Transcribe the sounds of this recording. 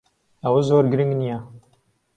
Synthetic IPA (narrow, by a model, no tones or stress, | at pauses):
awɐzoːɾɡɾɨŋɡnija